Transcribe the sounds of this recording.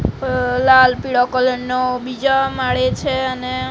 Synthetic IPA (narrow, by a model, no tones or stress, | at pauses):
lalpiɽokɔləɳnobid͡ʒamaɭet͡ʃʰeəne